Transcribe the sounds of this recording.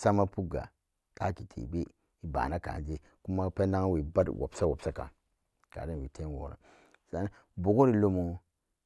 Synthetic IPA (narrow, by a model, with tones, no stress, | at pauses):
sa˦ma˦pu˦ɡa̰˨ | tʰa˦ki˨tʰḛ˨be˦ | i˦ba̰˨na˦ka̰˨n˨d͡ʒe˦ | ku˦ma˦pe˦na˦ŋ˦wi˨ba˦dwʔo̰˨bsa˦wo˨psa˦ka̰˨ŋ | ka̰˨de˦nwi˨tʰe˦wo̰˨ɾa̰˨ | sa˦n˦ | bo˨ko˦ɾi˦lo˦mo˦